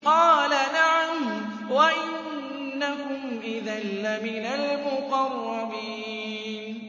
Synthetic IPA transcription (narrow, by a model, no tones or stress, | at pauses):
qɑːlanaʕam | waʔɪnnː | aɦʊmʔɪðanːamɪnalmʊqɑrˤːɑmiː | n